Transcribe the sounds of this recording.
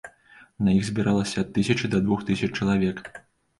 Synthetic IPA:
nɐjiɣzʲbʲiɾalˠɐsʲɐɐt̪ːɨsʲɐt͡ʂɨd̪ɐd̪vuxt̪ɨsʲɐt͡ʂt͡ʂɐlˠavʲɛk

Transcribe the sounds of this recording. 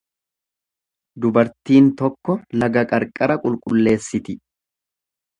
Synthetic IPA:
d̪ʊbɐɾt̪iːnt̪ɔkːɔlɐɡɐkʼɐɾkʼɐɾɐkʼʊlkʼʊlːe̞ːsːɪt̪ɪ

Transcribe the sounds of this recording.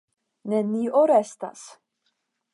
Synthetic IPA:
nenioɾɛst̪a̰s

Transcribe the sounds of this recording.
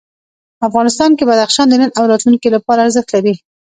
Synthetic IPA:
afɣɑnɪst̪ɑnkebad̪axʃɑnd̪ənənawɾɑt̪luŋkilapɑɾaːɾzɪxt̪laɾi

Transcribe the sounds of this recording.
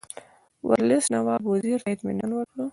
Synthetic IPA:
wʔa̰ɾlɪsnawɑːboziɾɪt̪mḭnanwəkɽə

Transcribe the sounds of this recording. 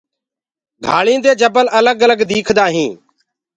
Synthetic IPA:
ɡʱaːɭĩːd̪eːd͡ʒəbəlʔələɡələɡd̪iːkʰd̪aːɦĩː

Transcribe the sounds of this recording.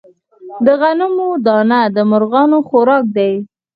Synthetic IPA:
d̪əɣanʊmod̪ɑnad̪əmʊɾɣɑnoxoɾɑk̚d̪aj

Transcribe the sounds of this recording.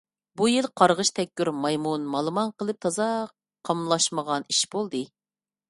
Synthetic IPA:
bujilˠqʰɑɾʁəʃt̪ʰɛkʲːyɾmɑjmunmɑlˠɨmɑnqəlˠɨp̚t̪ʰɑzɑ | qʰːɑmlˠɑʃməʁɑniʃb̥olˠd̪ɨ

